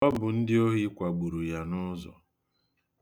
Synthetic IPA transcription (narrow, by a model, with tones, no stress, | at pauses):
ɔ˦bʊ˨n̩˦dɪ˦o˦ɦi˦kʷa˨ɡ͡bu˨ɾu˨ja˨nʊ˦zɔ̰˨